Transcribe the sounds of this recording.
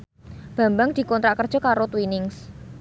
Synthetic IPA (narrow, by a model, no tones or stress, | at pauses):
b̥ä̤mbaŋd̪̥i̤kɔnt̪ɾaʔkərd̥ʒ̥ɔ̤kaɾot̪winɪŋs